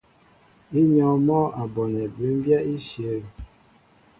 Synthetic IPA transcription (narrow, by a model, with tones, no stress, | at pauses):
i˦ɲɔ˨mɔː˦ʔa˨bɔ˨nɛ˨be˨˦m˦bja˦i˦ʃjə˨˦˨